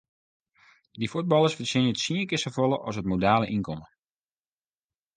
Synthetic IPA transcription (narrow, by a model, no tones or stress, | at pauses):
difut̚bɑlˠəsfəsɪnətsiəŋkɪsəfolˠəʔɔsətmodaːləʔinkɔmə